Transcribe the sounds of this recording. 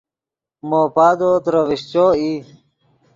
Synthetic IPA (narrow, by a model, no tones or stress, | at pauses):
moːpaːd̪ot̪ɾəʋiɕt͡ɕoːiː